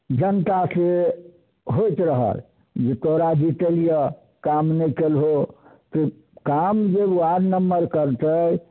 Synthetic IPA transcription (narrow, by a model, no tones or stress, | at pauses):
d͡ʒənt̪ase | ɦojt̪ɾəɦə̰l | d͡ʒet̪oɦɾad͡ʒit̪elijə | kamnəkelɦot̪ɔ | kamd͡ʒebaɾnəmːəɾkəɾt̪əj